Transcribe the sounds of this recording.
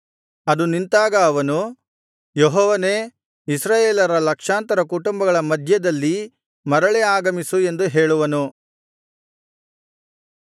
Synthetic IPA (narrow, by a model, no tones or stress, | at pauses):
ɐd̪unint̪aːɡɐːʋɐnu | jɔɦɔːʋɐne | isɾaːjeːlɐɾɐlɐkʂaːnt̪ɐɾɐkuʈumbɐɡɐɭɐmɐd̪ʱjɐd̪ɐlːi | mɐɾɐɭɛaːɡɐmisue̞nd̪uɦeːɭuʋɐnu